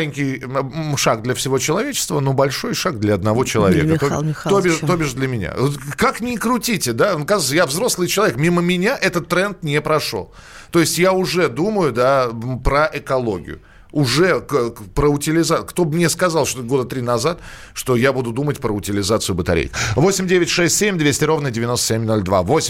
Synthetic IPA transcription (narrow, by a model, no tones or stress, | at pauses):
lʲɪnʲkʲɪjʂaɡ̚d̪lʲəfsʲɪvo̞t͡ɕɪlˠɐvʲet͡ɕɪ̥st̪vənubɐlʲʂo̞jʂaɡd̪lʲɐɐd̪nɐvo̞t͡ɕɪlˠɐ̰vʲḛkət̪oobʲɪʂt̪obʲɪʐd̪lʲəmʲɪnʲa̰kaknʲɪkɾʊtʲitʲɪd̪ankazɨt̪səjavzɾo̞slˠɨjt͡ɕɪlˠɐvʲekmʲiməmʲɪnʲaʔɛt̪ət̪ːɾɛnt̪nʲepɾɐʂo̞̰lˠ | t̪o̞ɪsʲtʲjaʊʐɛd̪uməjʊd̪apɾəʔɛkɐlˠo̞ɡʲɪ̰jʊ̰ | ʊʐɛpɾəʊtʲɪlʲɪzakt̪o̞bmnʲeskɐzɑlˠʂt̪oɡo̞d̪ət̪ɾʲinɐzat̪ | ʂt̪o̞jabud̪ʊd̪umətʲpɾəʊtʲɪlʲɪzat̪sɨʊbət̪ɐɾʲḛjkvo̞sʲɪmʲdʲevʲɪtʲʂɛsʲtʲsʲemʲd̪vʲesʲtʲɪɾo̞vnədʲɪvʲɪnost̪ə̥sʲemʲno̞lʲd̪va̰vo̞sʲɪ